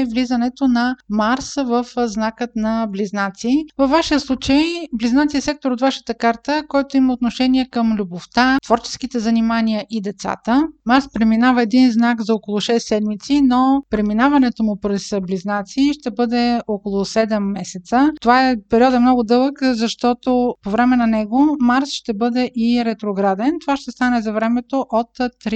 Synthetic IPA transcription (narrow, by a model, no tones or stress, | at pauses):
ɛvlizənɛt̪onɐmaɾsvəfznakət̪nɐbliznat̪sivəvːaʃiəslˠut͡ʃəjbliznat̪siɛsɛk̚t̪oɾot̪vaʃə̥t̪əkaɾt̪əkɔjt̪oimɐot̪noʃɛniɛkəmlʲuboft̪at̪vɔɾt͡ʃɛ̥sk̟it̪ɛzɐnimaniəʔid̪ɛt̪sa̰t̪əmaɾspɾɛminavəɛd̪inznakzɐokolˠʊʃɛsːɛd̪mit̪sinopɾɛminavɐnɛt̪omʊpɾɛsbliznat̪siːʃt̪ɛbɤd̪ɛokolˠosɛd̪ɛmːɛsɛt̪sət̪ovaɛpɛɾiɔd̪ɛmnɔɡʊd̪ɤlˠəkzɐʃt̪ɔt̪opovɾɛmɛnɐnɛɡomaɾsʃt̪ɛbɤd̪ɛʔiɾɛt̪ɾoɡɾad̪ɛnt̪ovaʃt̪ɛst̪anɛzɐvɾɛmɛt̪oʔot̪t̪ːɾi